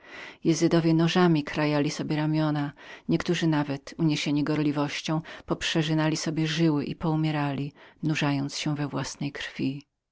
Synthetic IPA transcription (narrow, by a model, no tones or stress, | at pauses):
jɛzɨd̪ɔvʲjɛnɔʐamʲikɾajalʲisɔbʲjɛɾamʲjɔnaɲɛkt̪uʐɘnavɛt̪uɲeɕeɲiɡɔɾlʲivɔɕt͡ɕɔ̃w̃pɔpʂɛʐɘnalʲisɔbʲjɛʐɘwɘʔipɔumʲjɛɾalʲinuʐajɔnt̪sɕɛvɛvwasnɛjkɾfʲi